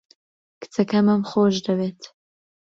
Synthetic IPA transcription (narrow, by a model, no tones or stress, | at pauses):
kɨ̥t͡sɐkɐmɐmχoʒd̪ɐbeːt̪